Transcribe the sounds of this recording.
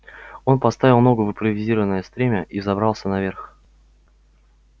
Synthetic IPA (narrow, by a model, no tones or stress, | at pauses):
o̞npɐst̪avʲɪlˠno̞ɡəvɨmpɾəvʲɪzʲiɾəvənəjəst̪ɾʲemʲəʔizɐbɾɑlˠsʲənɐvʲerx